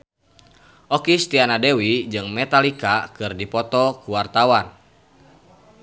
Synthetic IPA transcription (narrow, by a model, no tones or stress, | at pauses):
ʔɔkist̪ianadewid͡ʒɨŋmɛt̪alikakɨrdipɔt̪ɔkuwart̪awan